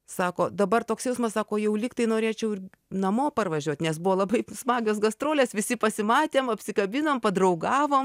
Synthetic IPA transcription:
sɑːkoːd̪ɐbɐrt̪oːksjɛʊsmɐssɑːkoːjɛʊlʲɪkt̪ɐɪnoːɾʲeːt͡ʃʲɛʊɪr | nɐmoːpɐrʋɐʒʲuɔt̪ʲnʲɛsbuʋoːlˠɐbɐɪsmɑːɡʲoːs̬ɡɐst̪ɾoːlʲeːsʋʲɪsʲɪpɐsʲɪmɑːt̪ʲeːmɐpʲsʲɪkɐbʲɪnoːmpɐd̪ɾɐʊɡɑːʋoːm

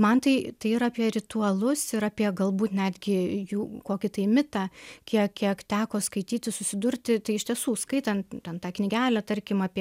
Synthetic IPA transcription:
mɐnt̪ɐɪt̪ɐɪɪɾɑːpʲiɛɾʲɪt̪uɐlˠʊsɪɾɑːpʲiɛɡɐlˠbuːt̪nʲæːd̪ʲɡʲɪjuːkoːkʲɪt̪ɐɪmʲɪt̪ɑːkʲiɛkkʲiɛkt̪ʲæːkoːskɐɪt̪ʲiːt̪ʲɪsʊsʲɪd̪ʊɾʲt̪ʲɪt̪ɐɪɪʃtʲiɛsuːskɐɪt̪ɐnt̪t̪ʲɛnt̪ɑːknʲɪɡʲæːlʲæt̪ɐɾʲkʲɪmɑːpʲiɛ

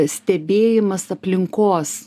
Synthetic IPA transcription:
sʲt̪ʲɛbʲeːjɪmɐsɐpʲlʲɪŋkoːs

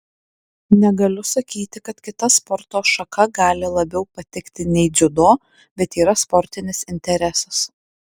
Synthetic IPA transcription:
nʲɛɡɐlʲʊsɐkʲiːt̪ʲɪkɐt̪kʲɪt̪ɐspɔɾt̪oːʃɐkɐɡɑːlʲɪlˠɐbʲɛʊpɐt̪ʲɪkt̪ʲɪnʲɛɪd͡ʒʲʊd̪oː | bʲɛt̪iːɾɐspɔɾʲt̪ʲɪnʲɪsɪnʲt̪ʲɛɾʲɛsɐs

